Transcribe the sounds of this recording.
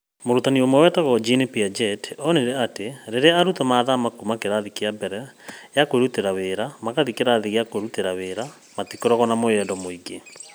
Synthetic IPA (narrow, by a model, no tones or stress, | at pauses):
moɾutaniomwɛwɛtaɣɔd͡ʒinepiad͡ʒɛtɔneɾɛateɾeɾeaaɾutɔmaːðamakumakeɾaðikeabɛɾɛjakoeɾuteɾaweːɾamakaðikeɾaðiɣeakoɾuteɾaweːɾa | matikoɾɔɣɔnamojɛːndɔmoiɡe